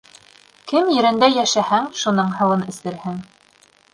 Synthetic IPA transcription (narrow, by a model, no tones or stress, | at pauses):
kɘmjɘ̆ɾɘ̆nd̪æjæʃæhæŋʃunɤɴhɤ̆wɤnɘ̆slɘ̆ɾhɘŋ